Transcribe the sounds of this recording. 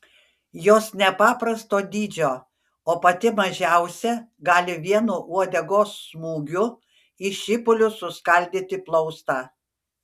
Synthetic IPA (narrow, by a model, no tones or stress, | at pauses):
joːsnʲɛpɑːpɾɐst̪oːd̪ʲiːd͡ʒʲoː | oːpɐt̪ʲɪmɐʒʲæˑʊsʲɛɡɑːlʲɪʋʲiɛnuʔuɔd̪ʲɛɡoːsːmuːɡʲʊ | iʃʲɪpʊlʲʊsʊskɐlʲd̪ʲit̪ʲɪplˠɔʊst̪ɑː